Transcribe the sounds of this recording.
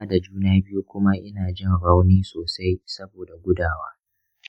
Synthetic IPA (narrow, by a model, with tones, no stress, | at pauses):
da˨d͡ʒuː˦naː˦bɪ˦ju˦kʷʊ˦ma˦ʔɪ˦naː˨d͡ʒɪ˦ŋɽa˦wniː˦soː˨sa˦jsɐ˦boː˨da˨ɡʷʊ˦daː˨waː˦